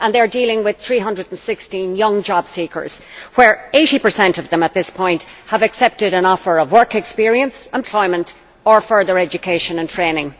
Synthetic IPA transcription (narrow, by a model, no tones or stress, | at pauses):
ə̃nðeɪə˞dilɪ̃ŋwɪð̥θɹiːɦʌ̃ndɹədn̩sɪkstĩnjʌ̃ŋd͡ʒɑb̥sikʰə̰˞z̥wə˞eɪɾipə˞sɛ̃ntʌvðə̃mət̪̚ðɪspʰɔ̃ɪ̃nthəvəksɛp̚tɪɾə̃nɔfə˞ʌvwɜ˞kɛkspɪɹiə̃nsɛ̃mpʰl̥ɔɪmə̃nt | ə˞fɜ˞ðə˞ɛd͡ʒɨkʰeɪʃə̃nə̃ntʰɹ̥ẽɪnɪ̃ŋ